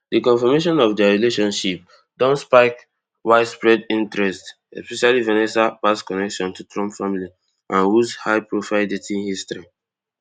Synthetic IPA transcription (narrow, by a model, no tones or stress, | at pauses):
dikɔ̃nfɔmeʃɔ̃nɔvdaɹileʃɔ̃nʃip̚ | dɔ̃nspaɪk | waɪdspɹɛdĩntɹɛst | ɛspɛʃalivɛnɛsapaskɔnɛkʃɔ̃ntutʰɹɔ̃mpfãmili | ʔãnwuzhaɪpɹofaɪldetĩhistɹi